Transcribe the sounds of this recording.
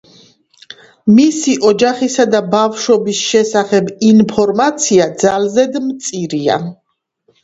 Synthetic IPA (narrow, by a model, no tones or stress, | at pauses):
misiʔɔd͡ʒaχisad̪abafʃɔbisʃɛsaχɛbinpʰɔɾmat̪sʰiad̪zalzɛd̪mt̪sʼiɾia̰